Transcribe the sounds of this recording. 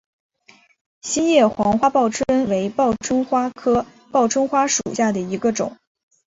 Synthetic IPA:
ɕi˥njɛ˥˩xwɑ˧˥ŋxwa˥pɑ˥˩ʊʈ͡ʂʰwə˥nwe˧˥ɪpɑ˥˩ʊʈ͡ʂʰwə˥nxwa˥kʰɤ˥ | pɑ˥˩ʊʈ͡ʂʰwə˥nxwa˥ʂṵ˨˩ɕja˥˩d̪ə˩i˧˥ɡə˧ʈ͡ʂʊ˨˩˦ŋ

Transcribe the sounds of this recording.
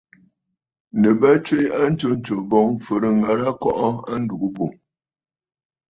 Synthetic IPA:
nə˨ba˦t͡ʃwe˦a˦n̩˦t͡ʃo˦n̩˦t͡ʃo˨bɔ˦ŋfə˨ɾə˨ŋa˨˦ɾa˦kɔ˦ʔɔ˦a̰˦n̩˦du˨ʔu˦bo˨

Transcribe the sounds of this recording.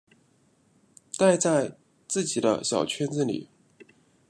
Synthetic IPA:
t̪a˥˧ɪt͡sa˥˧ɪ | t͡sɹ̩˥˩t͡ɕi˨˩d̪ə̰˦ɕjɑ˨˩ʊt͡ɕʰɥɛ˥nt͡sɹ̩˥˩nlḭ˨˩˦

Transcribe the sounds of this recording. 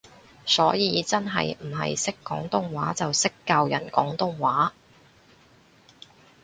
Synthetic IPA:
sɔː˨˥jiː˨˧t͡sɐ˥nɦɐ̰˨jm̩˨˩ɦɐ̰˨jsɪ˥kːɔː˨˥ŋt̪ʊ˥ŋwaː˨˥t͡sɐ˨wsɪ˥kːaː˧wjɐ˨˩nkɔː˨˥ŋt̪ʊ˥ŋwaː˨˥

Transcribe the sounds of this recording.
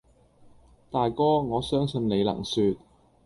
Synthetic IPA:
t̪aː˨jkɔː˥ŋɔː˨˧sœː˥ŋsɵ˧nle˨˧jlɐ̰˨˩ŋsyː˧t̚

